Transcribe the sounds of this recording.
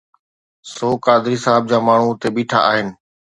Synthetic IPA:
soːkaːd̪ɪɾiːsaːɦɪb̚d͡ʑaːmaːɳ̤ut̪eːɓiːʈʰa̰ːʔaːɦɪnɪ̆

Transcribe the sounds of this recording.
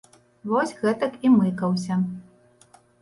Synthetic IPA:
vɔsʲɣɛt̪ɐkimɨkɐwsʲɐ

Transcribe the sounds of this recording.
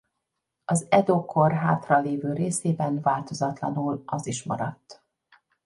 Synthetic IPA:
ɒzɛd̪okʰorɦaːt̪rɒleːvøːɾeːseːbɛnvaːlt̪o̞zɒt̪lɒ̰nulɒziʃmɒ̰ɾɒt̪ː

